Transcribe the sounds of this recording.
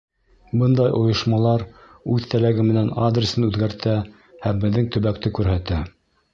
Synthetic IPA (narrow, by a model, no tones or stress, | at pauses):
bɤnd̪ɑjʔŏjɤ̆ʃmɑlˠɑɾ | ʉðt̪ælæɡɘmɘ̆nænad̪rʲɪsɤnʉðɡæɾt̪æ | hæmbɘ̆ðːɘŋt̪ɵ̆βæk̚t̪ɘkʉɾɦæt̪æ